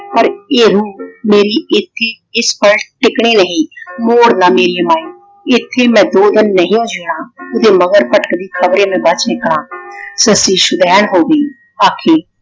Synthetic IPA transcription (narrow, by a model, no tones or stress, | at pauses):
pəɾeːɾuːmeːɾiːɪt̪ʰːeː | ɪspəlʈɪkɽiːnəɦĩːmoːɽnaːmeːɾiːəmaːiː | ɪt̪ʰːeːmɛ̃ːd̪oːd̪ɪnːəɦĩːõːd͡ʒeːɽ̃ãːʊd̪eːməɡəɾpəʈəkd̪iːkʰəbɾeːmẽːbət͡ʃnɪkɽãːsəsiːʃʊd̪ɛːnɦoːɡəiː | aːkʰeː